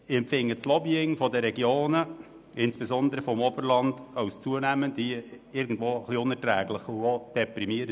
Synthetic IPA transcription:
ɪɛmfɪŋːət͡slɔbiɪŋfɔdəɾɛɡjoːnə | ɪnsb̥esɔnd̪əɾəfɔmɔbəɾlɑnd̥ɑʊst͡suənæməndiɪɾɡn̩dʋoːəχliʊnɛɾtɾæːɡlɪχuod̥ɛpɾimiəɾə

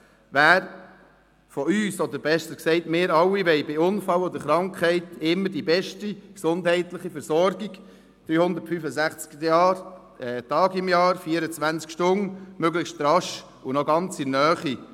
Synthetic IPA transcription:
ʋæːɾ | fɔyːsɔd̪əɾbɛʃtəksɛɪtmɪːɾɑwːiʋɛɪbɪʊnfɑlɔd̪əɾχɾɑŋkχhɛɪtɪmːəɾdibɛʃtiksʊndhɛɪtləχifɛɾsɔɾɡiɡ | d̥ɾyːhʊnd̪əɾtfyfəzæχt͡skjɑːɾ | ɛtɑːɡɪmjɑːɾfiəɾət͡svænt͡skʃtʊnmøɡləχʃttɾɑʃ | unɔɡɑnt͡sɪnœːχi

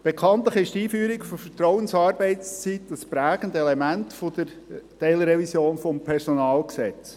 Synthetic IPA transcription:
b̥ekʰɑnt̪ləχɪʃtiːfyːɾikfɔfətrɔʊənsɑːɾbɛɪt͡st͡sitəspɾæːɡ̥əndɛlemæntfod̪əɾ | tɛlɾɛvisjoːnfɔmpʰɛɾsɔnɑːlksɛt͡s

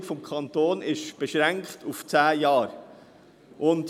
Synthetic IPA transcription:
fɔmkʰɑnt̪oːnɪʃb̥ɛʃɾæŋkχtuft͡sæːjɑːɾ | ʔʊnd

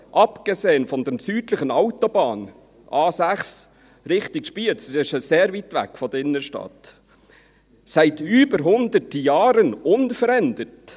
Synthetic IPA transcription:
ʔɑpɡ̥eseːənfɔnd̪ɛnsyːdləχənɑʊtɔbɑːn | ʔɑːsæχs | ɾɪχtɪkʃpiːltsɪʃəseːɾvitʋæ̰kfɔd̥̪əɪnːəʃtɑ̰t | sæɪtyːbəɾɦʊnd̪ətjɑːɾənʊnfəɾɛndət

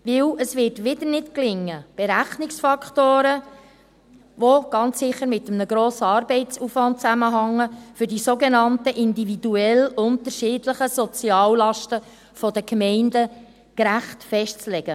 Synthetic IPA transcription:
ʋɪwəsʋɪːɾtʋɪdəɾnɪtklɪŋːəb̥eɾæχnɪksfɑkχtoːɾə | ʋoɡ̥ɑnt͡sːɪχːəɾmɪt̪əmnəɡɾoːsəɑːɾbɛɪt͡suːfʋɑnt̚t͡sæməɦɑŋːəfɵɾdisoɡenɑntəʔɪndividuɛlʊntəɾʃɪːdləχəsɔt͡siɑːllɑʃtə | fɔdəkmɛɪndə | kɾæχtfɛʃtt͡slɛɡ̥ə

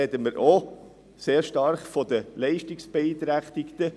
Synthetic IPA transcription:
ɛd̪əməɾʔo | seːɾʃtɑɾχfɔd̪əlɛɪʃtiksb̥eiːt̪ɾæχt̪ɪkt̪ə

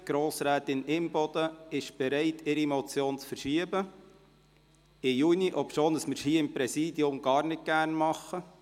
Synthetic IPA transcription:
ɡ̥ɾoːsɾæːt̪ɪnɪmb̥ɔd̥̪əɪʃb̥ɛɾɛɪtʰɪɾimɔt͡sjoːnt͡sfərʃiəbə | ɪjuːniʔɔpʃoːndəsmɪɾhiːɪmpɾɛsiːdiʊmɡ̥ɑːɾnɪt̚ɡ̥æɾnmɑχːə

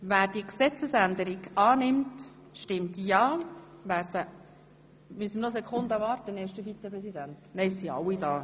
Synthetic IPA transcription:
væːɾd̥iəksɛt͡səsænd̪əɾiɡɑːnɪmt | ʃtɪmtjɑːvæːɾsə | mysəmənɔs̬ɛkʰχʊnd̪əvɑːrtəneːʃdəfit͡sɛpɾɛsidæntnɛɪssiɑ̰wːidɑː

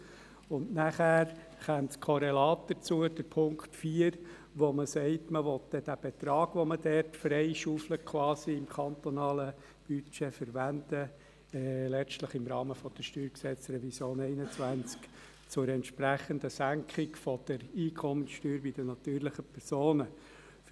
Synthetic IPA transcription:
ʊnnæχæːɾ | χɛmtkʰɔɾɛlɑːt̚dəɾt͡suəd̥əɾpʰʊŋktfiːəɾ | ʋoməsɛɪtməʋɔtd̥ɛd̥æb̥et̪ɾɑːɡ̥ʋɔmədɛɾtfɾɛɪʃufləkʰwɑːsiɪmkʰɑnt̪ɔnɑːlə | b̥yt͡ʃefəɾʋænd̥ə | lɛt͡stləχɪmɾɑːməfɔd̥əʃtyːɾksɛt͡srɛvisjoːnɛɪnət͡sʋænt͡sk | t͡sʊɾɛnt̪ʃpɾæχəndəsæŋkχɪkfɔd̪̥əɾiːkʰɔmənʃtyːɾbɪd̥ənɑt̪yːɾlɪχəpʰɛɾsoːnə | f

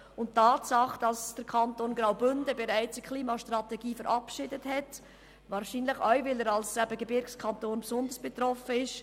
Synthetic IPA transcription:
ʊnttʰːɑːtsɑχd̥ɑsd̥əɾkʰɑntoːnɡrɾaʊbʏndəbɛɾæɪt͡səkʰliːmɑʃtɾʁɑtɛɡiːfəɾʔɑpʃɪdəthɛt | vɑːɾʃiːnləχœɥvɪləɾɑlsæb̥əɡebɪɾkskʰɑntoːnpsʊnd̪əsb̥ɛt̪ɾɔfəɪʃ

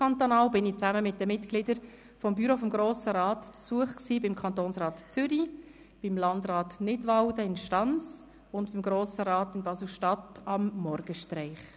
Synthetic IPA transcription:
ɑnt̪onɑːwbɪnɪt͡sæməmɪt̚dəmɪtɡ̥lɪdəɾ | fɔmbyɾofɔmɡɾoːsəɾɑːtpsuəχksiːbɪmkʰɑntoːnsʁɑːtt͡sʏɾi | b̥ɪmlɑndɾɑːtnɪdʋɑwdəɪnʃtɑnt͡s | ʊntb̥imɡɾoːsəɾɑːtɪnbɑslʃtɑtɑmːɔɾɡ̥əʃtɾɛɪχ

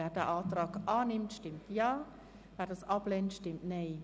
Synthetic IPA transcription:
ɛrdə̰ʔɑːtrɑːkɑːnɪmtstɪmtjaː | vɛrdɔsɑplentstɪmtnej

